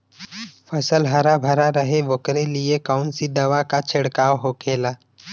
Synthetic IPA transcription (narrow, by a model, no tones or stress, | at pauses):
fʰɐsəlɦɐɾabʱɐɾaɾəɦeʋokɾeliekaʊnsid̪ɐʋakat͡ʃʰɪɽkaːwɦoːkʰeːlaː